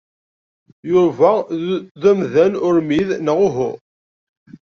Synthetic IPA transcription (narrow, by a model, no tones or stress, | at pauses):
juvæðæmðænʊɾmiðnəʁʊɦʊ̰ʁ